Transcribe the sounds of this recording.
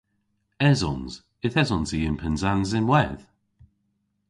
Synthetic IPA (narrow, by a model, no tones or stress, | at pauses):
ɛzɔnz | ɪθɛzɔnziːənpʰɛnzanzɪnwɛð